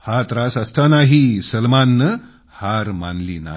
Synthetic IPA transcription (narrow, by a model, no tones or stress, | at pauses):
hat̪ɾasəst̪anaɦisəlmanːə | haɾma̰nliːna̰